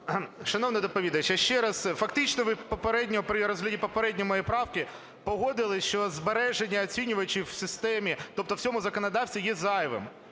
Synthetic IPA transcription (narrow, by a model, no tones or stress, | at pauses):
ʃɐnɔwnɐd̪ɔpɔʋʲid̪ɐt͡ʃɐʃt͡ʃɛɾɐzfɐkt̪ɪt͡ʃnɔʋɪpɔpeɾɛdʲnʲɔɔpɾɪɾɔzɦlʲɐdʲipɔpeɾɛdʲnʲɔmɔjɛpɾɑwkɪ | pɔɦɔd̪ɪlˠɪʃt͡ʃɔzbeɾɛʒenʲːɐːt͡sʲinʲʊʋɐt͡ʃiwsʲɪst̪ɛmʲit̪ɔp̚t̪ɔw̥sʲɔmʊzɐkɔnɐd̪ɑwsʲt̪ʲijɛzɑjɪʋɪ̰m